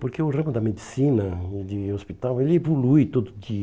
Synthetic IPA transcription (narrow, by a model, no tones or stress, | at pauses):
poɾkeʊrẽmʊd̪ɐmed̪isinɐd̪ɪospit̪awelɪevolujt̪od̪ʊd̪i